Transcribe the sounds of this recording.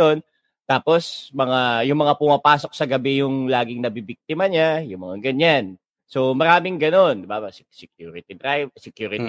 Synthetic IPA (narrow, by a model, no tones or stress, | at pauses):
on | t̪aːpo̞smɐŋajʊŋmɐŋapʊmɐpaːso̞k̚sɐɡɐbɛjʊŋlaːɡɪŋnɐbibik̚t̪ɪmɐɲajʊŋmɐŋaɡɐɲan | so̞mɐɾaːmɪŋɡɐno̞nd̪ɪbassɛk̚juːɾɪt̪id̪ɾajsɛkjuːɾɪ